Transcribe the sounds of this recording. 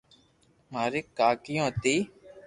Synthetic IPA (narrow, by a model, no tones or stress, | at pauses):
maːɾeːkaːkɪjõːt̪iː